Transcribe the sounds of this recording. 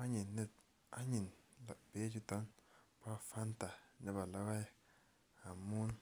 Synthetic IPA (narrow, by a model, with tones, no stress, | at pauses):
a˦ɲi˨nːe˦ | a˦ɲi˨nla˨be˦d͡ʒu˦ta˦npa˦˨fa˦nta˨ne˦ba˨la˦wa˦j | a˨mu˦n